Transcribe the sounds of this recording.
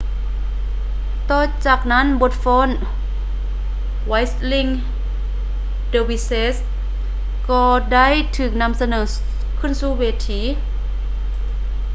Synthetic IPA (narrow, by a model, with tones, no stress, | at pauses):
t̪ɔː˧˩t͡ɕaː˨˩k̚na˦˥˨nbo˧˥t̪̚fɔː˧˥˨n | wa˧˥jsli˧ŋ | deː˧wi˧˥se˧˥s | kɔː˧da˥˨jt̪ʰɯː˨˩k̚na˧˥˨msa˧nɤː˨˩˦ | kʰɯ˧˥˨nsuː˧˥weː˧t̪ʰiː˨˦˥